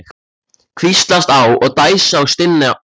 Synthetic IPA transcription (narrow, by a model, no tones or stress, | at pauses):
kʰvist̪last̪awɔɣt̪aːjsaːwst̪ɪnːɪ